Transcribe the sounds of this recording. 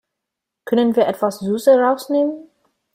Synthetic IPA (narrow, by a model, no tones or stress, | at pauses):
kʰœnənviːɐʔɛtv̥aszyːsəʁaʊsneːmən